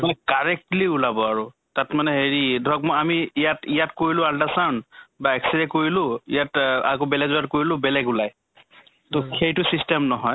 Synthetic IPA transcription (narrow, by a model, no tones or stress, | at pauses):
mɔjkaɹɛk̚tliulabɔaɹu | tatmanɛɦeɹidʱɔk̚mɔamiːjatijatkoɹilʊ̃aldasawnbaɛksidɛkoɹilʊ̃ḭjatakobɛlɛzɔatkoɹilʊ̃bɛlɛɡulaj | tokʰejtʊsistemnɔɦɔj